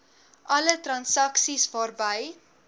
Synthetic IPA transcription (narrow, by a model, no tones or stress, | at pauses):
ʔɐlətrɐnsɐksisvɑːrbəj